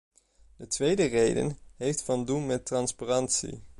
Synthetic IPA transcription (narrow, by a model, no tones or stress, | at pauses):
d̥ətʋejdərejdə̰nɦejftfɑndunmɛtrɑnsparɑntsḭ